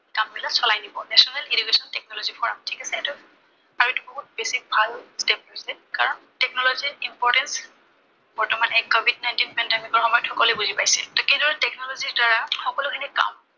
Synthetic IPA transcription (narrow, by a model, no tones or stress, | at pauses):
kambilasɔlajnibɔnɛsɔnɛlidikesɔntɛk̚nɔlɔzipʰɔɹa̰mtʰikasɛɛtu | aɹuetubɔɦut̚besik̚bʱalstepɦojsɛkaɹɔntɛk̚nɔlɔziimpɔɹtɛns | bɔɹtɔmanɛkɔbʱidnajntinpɛndemikɔɹxɔmɔjɔtʰxɔkɔlojbuzipajsḭltɔkejdɔɹɛtɛknɔlɔziɹdaɹaxɔkɔlʊkʰinika̰m